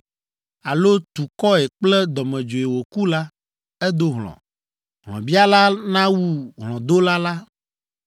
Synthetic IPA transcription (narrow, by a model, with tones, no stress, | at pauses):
a˨lo˦t̪u˨kɔ˦ɛ˨k͡plɛ˦d̪ɔ˨mɛ̃˨d͡ʒo˨e˨wo˨ku˦la˦ | ɛ˦d̪o˦ɦlɔ̰̃˨ | ɦlɔ̰̃˨bi˦a˦la˦nã˦wu˦ɦlɔ̃˨d̪o˦la˦la˦